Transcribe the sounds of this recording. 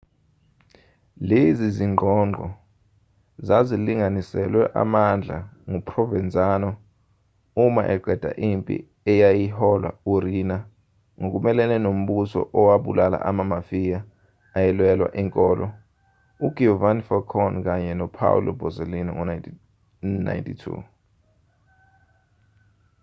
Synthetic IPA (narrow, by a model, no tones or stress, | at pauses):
leziziŋŋ͡ǃʱɔŋ͡ǃŋ͡ǃʱɔ | zaziliŋanisɛlwɛʔa̰mand͡ɮʱa̰ŋupʰʼrɔvɛnd͡zʱʼanɔ | uma̰ʔɛɡ͡ǃʱɛd̥ʱa̰ʔimpʼḭ | ɛjajihɔlwa̰uɾina | ŋok̬umɛlɛnɛnom̩ɓusɔ̰ʔɔwaɓṵlala̰ʔamamafijaː | jɛlwɛlwa̰ʔiŋkʼɔːlʔɔ | uɡ̥ʱiuvanfɔkʰɔnk̬aɲɛnɔpʰa̰wṵlɔbʱɔzelina̰ŋ | na̰jntʼʰitʰṵ